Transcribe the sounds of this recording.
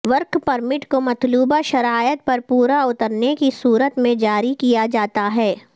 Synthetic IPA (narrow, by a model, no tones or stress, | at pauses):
ʋɐɾkpɐɾmɪʈkomɐt̪luːbaʃɐɾaːjət̪̚pɐɾpuːɾaʊt̪əɾnekisuːɾət̪mẽd͡ʒaːɾikijad͡ʒaːt̪aɦɛː